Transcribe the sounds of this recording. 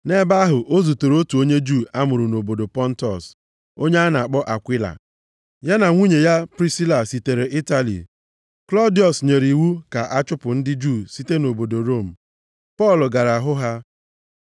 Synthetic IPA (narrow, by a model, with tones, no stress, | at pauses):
ne˦ba˦ɦʊ˨ʔo˦zu˨to˨ɾo˦tu˨o˦ɲe˦d͡ʒu˦˨a˦mʊ˨ɾʊ˨no˨bo˨do˨pɔ˦n̩˦tɔ˨s | o˦ɲe˦a˦na˨a˨k͡pɔ˦ʔa˨kʷɪ˦la̰˨ | ja˦na˨ŋʷu˦ɲe˨ja˦pɾi˦si˦la˨si˨te˨ɾe˨ʔi˦ta˦lḭ˨ | klɔ˦di˨ɔ˨sɲe˨ɾi˨wu˦ka˨ʔa˦t͡ʃʊ˦pʊ˨n̩˦dɪ˦d͡ʒu˦˨si˦te˦no˨bo˨do˨ɾo˦˨m̩˨ | pɔ˦˨lʊ˨ɡa˨ɾa˨a˨ɦʊ˦ɦa˦